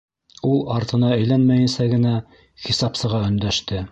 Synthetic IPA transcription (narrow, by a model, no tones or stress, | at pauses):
ulˠɑɾt̪ʰɤ̆nɑæ̆jlænmæjɘ̆nsæɡɘ̆næ | χisɑpsɤ̆ʁɑɵ̆nd̪æʃt̪ɘ